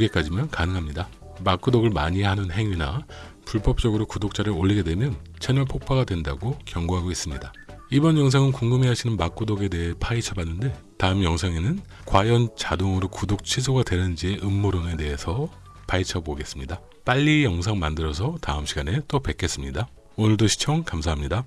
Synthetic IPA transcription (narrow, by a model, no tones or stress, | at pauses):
uɡe̞k͈ad͡ʑimjʌnkanɯŋɦamɲida | mak͈udoɡɯɭmaɲiɦanɯnɦe̞ŋina | puɭp͈ʌp̚t͡ɕ͈ʌɡɯɾokudok̚t͡ɕ͈aɾɯoʎːiɡe̞dwe̞mjʌn | t͡ɕʰe̞nɯɭpʰok̚pʰaɡadwe̞ndaɡokjʌŋɡoɦaɡois͈ɯmɲida | ibʌnjʌŋs̬ʰaŋɯnkuŋɡɯmeɦaɕʰinɯnmak͈udoɡe̞de̞ɦepʰait͡ɕʰʌbanːɯnde̞ | taɯmjʌŋsʰaŋe̞nɯn | kwajʌnt͡ɕadoŋɯɾokudok̚t͡ɕʰisʰoɡadwe̞nɯnd͡ʑie̞ʔɯmːoɾɯŋe̞de̞ɦe̞sʰʌ | pait͡ɕʰʌboɡe̞s͈ɯmɲida | p͈aʎːijʌŋsʰaŋmandɯɾʌs̬ʰʌtaɯmɕʰiɡane̞t͈opwe̞k͈ʰe̞s͈ɯmɲida | onɯɭdoɕʰi̥t͡ɕʰʌŋkamsʰaɦamɲida